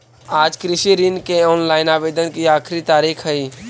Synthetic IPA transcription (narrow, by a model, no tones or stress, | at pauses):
aːd͡ʒkɾɪʃiɾinkeɔːnlaːɪnaːʋeːd̪ənkiaːkʰɾit̪aːɾiːkʰɦəiː